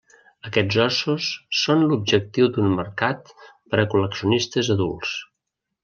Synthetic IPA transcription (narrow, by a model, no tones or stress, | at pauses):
əkɛzɔsusːonlub̚ʒək̚t̪iwd̪unməɾkat̪pəɾəkuləksiunist̪əzəðulˠs